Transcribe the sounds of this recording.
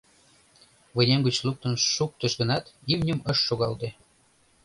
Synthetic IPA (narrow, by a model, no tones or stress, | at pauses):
βənʲemɡət͡ɕluk̚t̪ənʃuk̚t̪əʃɡənɑt̪iwnʲəməʃːoɣɑld̪e